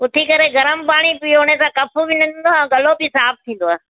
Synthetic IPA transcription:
ʊt̪ʰikɐɾeɡɐɾəmpaːɽ̃ibɪoːɽ̃esãːkɐpʰubɪnə̃nnd̪oɛ̃ːɡɐlobɪsaːp̚t̪ʰĩːn̆d̪oaːɦe

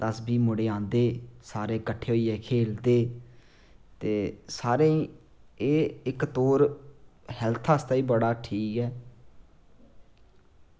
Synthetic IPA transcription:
d̪əsbiːmʊɽeːãːnd̪eːsaːɾeːkəʈʰːeːɦoːiːɛːkʰeːld̪eː | t̪eːsaːɾẽːiː | eːɪkt̪oːɾ | hɛːlt̪ʰaːst̪aːiːbəɽaːʈʰiːkɛː

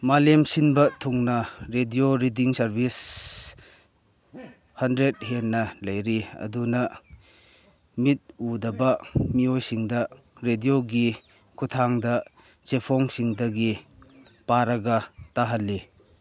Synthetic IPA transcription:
malemsinbɐtʰuŋnɐɾedioɾidiŋsɐɾbis | hɐndɾet̚henːɐlɐjɾiɐ̰dunɐ | mit̚udɐbɐmiojsiŋdɐ | ɾedioɡi | kʰutʰaŋdɐ | t͡ʃepʰɔŋsiŋdɐɡi | paɾɐɡɐtaɦɐlːi

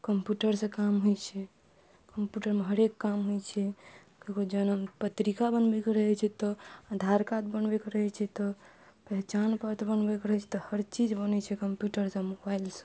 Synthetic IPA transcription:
kəmpjuʈəɾsə̃kamɦojt͡ʃʰɛ | kəmpjuʈəɾmeɦəɾekːamɦojt͡ʃʰɛ | kekod͡ʒənəmpət̪ɾikabənbɛkeɾəɦɛt͡ʃʰɛt̪ɔad̪ʱaɾkat̪̚bənbekeɾəɦɛt͡ʃʰɛt̪ɔ | pɛɦt͡ʃanpət̪ʰbənbɛkɾəɦɛt͡ʃʰɛ̥t̪ɔhəɾt͡ʃid͡ʒbənɛt͡ʃʰɛkəmpjuʈəɾsə̃mobailsə̥̃

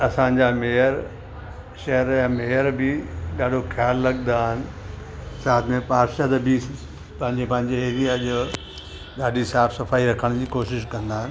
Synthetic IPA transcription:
ɐsãd͡ʑameːəɾ | ʃɐɦəɾjãmeːəɾbɪɗaːɖʱoxʰjaːlːɐɠnd̪aːɦɪnɪ̆ | saːt̪ʰmẽpaːɾʃad̪əbi | pɐ̃ɦɪɲd͡ʑepɐ̃ɦɪ̃ɲd͡ʑeeːɾijaʄ | ɗaːɗisaːfsɐfaːiɾɐkʰəɽ̃d͡ʑiːkoːʃɪʃkɐ̃nd̪aːɦɪnɪ

